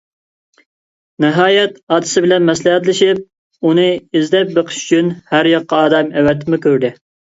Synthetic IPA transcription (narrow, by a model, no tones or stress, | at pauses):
nɨɦɑːjɛt̪ɑːd̪ɨ̥sɪbɪlɛnmɛslˠɪhæt̪lɪʃip̚ | unɨɪzd̪ɛp̚beqʰə̥ʃy̥t͡ʃʰynhæɾjɑqːɑɑːd̪ɑmɛwɛt̪ʰːɪmɪkʲʰøɾd̪ɪ